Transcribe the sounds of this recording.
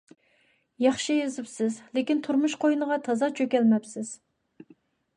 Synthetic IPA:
jɑχʃɨjezɪpsɪzlɪkʲint̪ʰuɾmuʃqʰojnəʁɑt̪ʰɑzɑt͡ʃʰøkʲɛlmɛpsɪz̥

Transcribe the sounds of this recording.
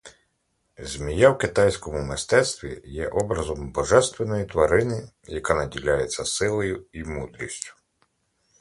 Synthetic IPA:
zʲmʲijawkɪt̪ɑjsʲkɔmʊmɪst̪ɛt̪st̪ʋʲḭjɛʔɔbɾɐzɔmbɔʒɛst̪ʋenɔjit̪ʋɐɾɪnɪ | jɐkanɐdʲilʲajet͡sʲːɐsɪlˠɔjʊimud̪ɾʲisʲtʲʊ̥

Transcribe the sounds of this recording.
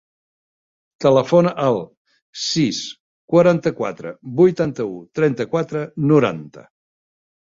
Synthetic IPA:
t̪ələfonəʔəlˠ | sis | kwəɾant̪əkwa̰t̪ɾə̰bujt̪ant̪əut̪ɾɛnt̪əkwat̪ɾənuɾa̰nt̪ə̰

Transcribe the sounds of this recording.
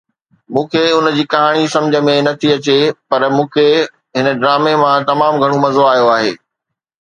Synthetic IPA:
mũːkʰeʊnd͡ʑiːkɐɦaːɽ̃isɐ̃md͡ʑʱə̆mẽnɐt̪ʰiɐt͡ɕepɐɾmũːkʰe | ɦɪnəɖɾaːmemãt̪ɐmaːmɡʱɐɽ̃omɐzoaːijoaːɦḛː

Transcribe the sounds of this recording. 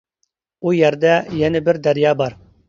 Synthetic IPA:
ujɛɾd̪ɛjɛnɪbɪɾd̪æɾjɑːbɑɾ

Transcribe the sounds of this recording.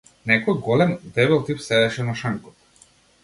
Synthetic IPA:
nɛkɔjɡɔlɛmd̪ɛbɛlˠt̪ipsɛd̪ɛʃɛnaʃaŋkɔ

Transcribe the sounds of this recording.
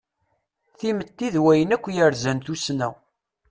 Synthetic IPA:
θimət̪ːiðwæjənækʷːjəɾzænt̪usnæ̰w

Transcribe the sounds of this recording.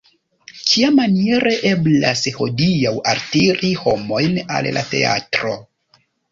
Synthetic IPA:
kʰiamanie̞ɾe̞ʔe̞blasho̞dijawaɾtiɾiho̞mo̞jna̰lla̰te̞̰a̰tɾo̞

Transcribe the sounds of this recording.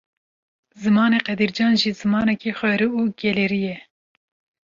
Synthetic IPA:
zɨmɑːneːqɛd̪iːɾd͡ʒɑːnʒiːzɨmɑːnɛkixʷɛɾɨuːɡɛleɾijɛ

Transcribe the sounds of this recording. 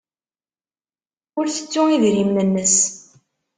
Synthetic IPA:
ʊɾθə̥t͡sːʊiðɾimnənːəs

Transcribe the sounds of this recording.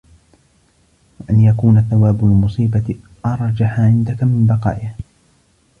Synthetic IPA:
waʔanjakuːnaθawaːbʊlmʊsˤiːba | ʔɑɾˤd͡ʒaħaʕɪnd̪akamɪmbɑqɑ̰ːʔɪh

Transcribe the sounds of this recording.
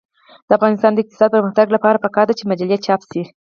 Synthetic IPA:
d̪̥əafɣɑnɪst̪ɑnd̪əɪq̚t̪ɪ̥sɑd̪̚pəɾməxt̪aɡlapɑɾapəkɑɾd̪at͡ʃemad͡ʒalijat̪t͡ʃɑpsi

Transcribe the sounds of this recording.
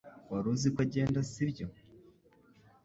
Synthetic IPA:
waɾuzikwaɟe̞ːndasibjo

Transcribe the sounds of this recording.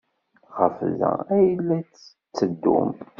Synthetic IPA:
χəfzæ̰æjəlːæ | t͡sːəd̪ːṵm

